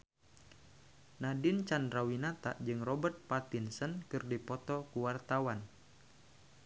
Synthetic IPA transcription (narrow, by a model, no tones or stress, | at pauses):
nadint͡ʃandɾawinat̪a̰ʔd͡ʒɨŋrɔbərt̪̚pat̪insənkɨrdipɔt̪ɔkuwart̪awan